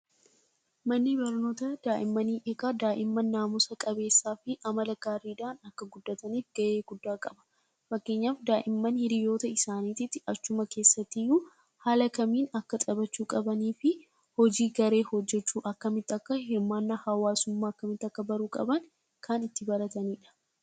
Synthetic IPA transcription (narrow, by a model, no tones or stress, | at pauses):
mɐnːɪbɐɾno̞ːt̪ɐd̪aːʔɪmːɐniːʔekaːd̪aːʔɪmːɐnːaːmʊsɐkʼɐbe̞ːsːaːfɪʔɐmɐlɐɡaːɾiːd̪aːnɐkːɐɡʊd̪ːɐt̪ɐniːfɡ̥ɐʔe̞ːɡʊd̪ːaːkʼɐbɐ̥ | fɐkːe̞ːɲːaːfd̪aːʔɪmːɐnhɪɾɪjo̞ːt̪ɐɪsaːniːt̪ɪt̪ːɪɐt͡ʃːʊmɐke̞ːsːɐt̪ːɪjuː | haːlɐkɐmiːnɐkːɐt̪ʼɐbɐt͡ʃːuːkʼɐbɐniːfɪ | hɔd͡ʒiːɡɐɾe̞ːhɔd͡ʒːɛt͡ʃːuːʔɐkːɐmɪt̪ːɐkːɐɪmːaːnːɐhɐwaːsʊmːaːɐkːɐmɪt̪ːɐkːɐbɐɾuːkʼɐ̰bɐn | kʰaːnɪt̪ːɪbɐɾɐt̪ɐniːᶑɐ̥